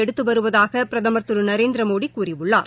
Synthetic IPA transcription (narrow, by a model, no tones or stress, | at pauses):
ɛɽɯt̪ːɯʋɐɾɯʋɐðaːɣɐpɪɾɐðɐmɐɾt̪ːɯɾɯnɐɾeːnd̪ɪɾɐmoːɽikːuːrɪʋɯɭːa̰ːɾ